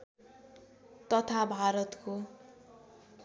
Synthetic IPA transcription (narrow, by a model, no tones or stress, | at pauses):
t̪ʌt̪ʰabʱaɾʌt̪ko